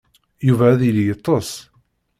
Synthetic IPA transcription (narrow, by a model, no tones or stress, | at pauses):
juvæːðiljət̪ˤːəs